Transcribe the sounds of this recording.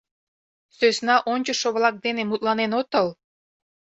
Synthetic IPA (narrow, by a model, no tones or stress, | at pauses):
søsnɑʔonʲt͡ɕə̆ʃoβlɑk̚d̪enemut̪̚ʼlɑnenot̪əl